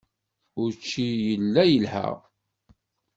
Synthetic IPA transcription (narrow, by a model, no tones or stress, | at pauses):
ʊɾt͡ʃːijəlːæjəlhə̰ʁ